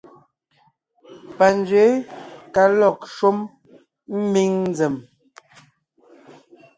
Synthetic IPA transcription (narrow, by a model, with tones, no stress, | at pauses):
pa˨n˦d͡ʒɥe˨˦ka˨lɔ˨k̚ʃo˦m | m̩˦mi˦ŋn˦d͡zɛ˨m